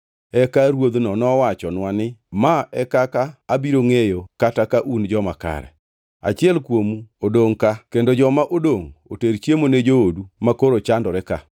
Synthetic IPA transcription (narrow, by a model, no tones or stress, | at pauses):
ɛkaɾwod̪nɔnɔwat͡ʃɔnwanɪmaɛkakaːbiɾoŋejokatakaʔund͡ʒɔmaka̰ɾɛ̰ | a̰t͡ʃɪɛlkwomuodoŋkakendod͡ʒɔmaʔodoŋoteɾt͡ʃjemoned͡ʒoodumakoɾot͡ʃandɔɾɛka̰